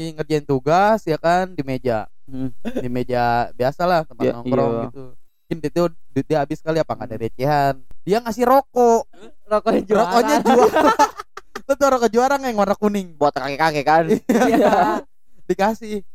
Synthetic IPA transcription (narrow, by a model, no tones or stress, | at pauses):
iŋərd͡ʒaint̪uɡasjakandimed͡ʒa | dimed͡ʒabiasalaht̪əmanɔŋkɾɔɡit̪u | kɪndit̪uddiaabɪskaliapaŋadaɾet͡ʃeɦandiaŋasɪhɾokɔ | okoad͡ʒokoɲad͡ʒualat̪ət̪uɾokod͡ʒuaɾaŋajŋonakunɪŋboat̪̚kakekakekania | dikasɪh